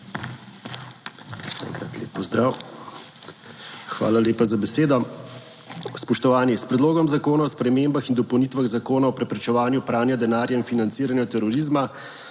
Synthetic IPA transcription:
ʃɛ̰ɛ̰ŋkɾa̰t̪lḛːpːɔzd̪ɾaːw | xʋa̰ːlaleːpazabɛseːd̪ɔ | spɔʃt̪ɔʋaːnispɾɛd̪loːɡɔmzakoːnaɔspɾɛmeːmbaxind̪ɔpɔwnit̪ʋaɣzakoːnaɔpɾɛpɾɛt͡ʃɛʋaːnjupɾaːnjad̪ɛnaːɾjainfinant̪siːɾanjɔt̪ɛɾɔɾizma

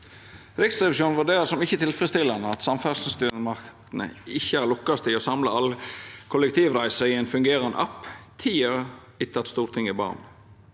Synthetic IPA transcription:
ɾɪksɾɛʋɪʃuːnʋʉɖ̪eːɾəsɔmɪçːət̪ʰɪlfʁəst̪ɪlːɑnəɑt̪sɑmfælsn̩st̪yːmɑkt̪n̩ə̰ɪçːəæɾlʊkːɑst̪ɪosɑmlə̰ɑlkʰʊləkt̪ʰiːʋɾæɪsəɪɛɪnfʉŋɡeːɾɑnə̰ʔɑ̰pːt̪ʰiːəɾə | ɪt̪ʰɑt̪st̪uːɾt̪ʰɪŋɪbɑ̰ːʁn

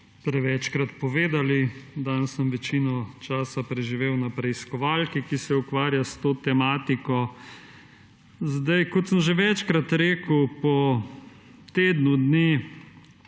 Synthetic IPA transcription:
pɾɛʋɛt͡ʃkɾat̪pɔʋeːd̪alid̪ansəmʋɛt͡ʃiːnɔt͡ʃaːsapɾɛʒiʋeːwnapɾɛiskɔʋalkikisɛukʋaːɾjast̪oːt̪ɛmaːt̪ikɔ | zd̪ajkɔt̪səmʒeʋɛt͡ʃkɾat̪ɾeːkəwpɔ | t̪eːd̪nud̪ni

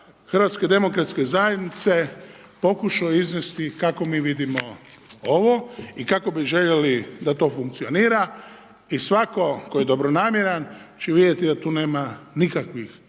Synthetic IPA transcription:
xr̩ʋat̪ske̞d̪e̞mokɾat̪ske̞zajed̪nit̪se̞ | po̞kuʃaoiznest̪ikako̞miːʋid̪imooʋoikako̞biʒe̞ʎe̞lid̪at̪o̞ːfuŋkt̪sio̞niːɾa | isʋako̞kojed̪o̞bɾo̞naːmjeɾant͡ʃeʋid̪jet̪id̪at̪uːne̞ːmanikakʋix

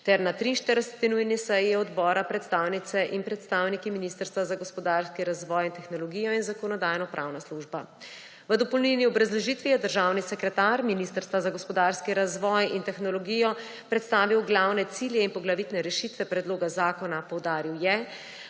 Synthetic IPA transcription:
t̪ɛɾnat̪ɾiːnʃt̪əɾɛsɛt̪inujnisɛjiɔd̪bɔːɾapɾɛt̪st̪aːwnit̪sɛʔinpɾɛt̪st̪awnikiminiːst̪əɾst̪ʋazaɡɔspɔd̪aɾskiɾazʋɔːjint̪ɛxnɔlɔɡiːjɔinzakɔnɔd̪aːjnɔpɾʔawnasluʒba | ʋəd̪ɔpɔwlniniɔbɾazlɔʒit̪ʋijɛd̪əɾʒaːwnisɛkɾɛt̪aɾminist̪əɾst̪ʋazaɡɔspɔd̪aːɾskiɾazʋɔːjint̪ɛxnɔlɔɡiːjɔ | pɾɛt̪st̪aːʋiwɡlawnɛt̪siljɛinpɔɡlaʋit̪nɛɾɛʃit̪ʋɛpɾɛd̪loːɡazaːkɔnapɔwd̪aːɾiwjɛ

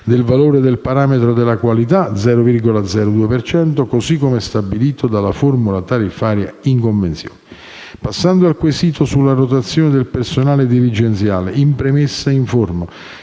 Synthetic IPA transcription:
d̪elvaloːɾed̪elpaɾaːmet̪ɾod̪elːakwalit̪ad̪zɛːɾovirɡolad̪zɛːɾod̪uːepert͡ʃɛnt̪okosikːomeɛst̪abiliːt̪od̪alaformulat̪aɾifːaːɾjaiŋkoɱvent̪sjo̰ːnɛ | pasːand̪oalkwesiːt̪osulːarot̪at̪sːjoːned̪elpersonaːled̪ilid͡ʒent̪sjaːleimpɾemesːaiɱforma

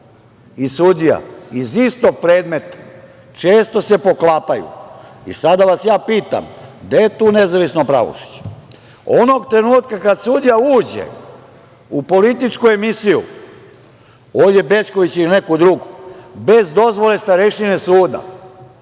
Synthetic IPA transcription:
isud̪ija̰izist̪o̞ɡ̚pɾe̞ːd̪me̞t̪ḁ | t͡ʃe̞ːst̪o̞se̞po̞klaːpajṵḭsad̪aʋasjaːpiːt̪a̰md̪ajet̪uːne̞zaʋisno̞pɾa̰ʋo̰ʃi̥t͡ɕe̥ | ono̞ɡt̪ɾe̞nuːt̪kakad̪sud̪ijauːd͡ʑḛ | upo̞lit̪it͡ʃkue̞misijṵ | oːd̪je̞be̞t͡ʃko̞ʋit͡ɕiline̞kud̪ɾuɡube̞zd̪o̞zʋo̞le̞st̪aɾeʃinesuːd̪a̰

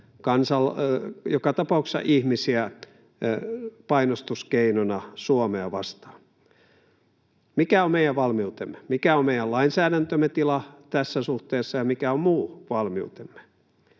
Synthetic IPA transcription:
kɑnsɑljokɑt̪ɑpɑˑuksɑ̰ʔihmisiæ | pɑinost̪uskeinonɑsuomeɑʋɑst̪ɑ̥ː | mikæommeijæʋʋɑlmiut̪emːemikæommeijælɑinsæːɾænt̪ømːet̪ilɑt̪æsːæsuht̪eːsːɑjɑmikæommuːʋɑlmiut̪emːe̥

